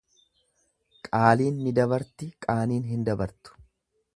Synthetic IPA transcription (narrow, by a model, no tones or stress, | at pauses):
kʼaːliːnːɪd̪ɐbɐɾt̪ɪkʼaːniːnɦɪnd̪ɐbɐɾt̪ʊ̥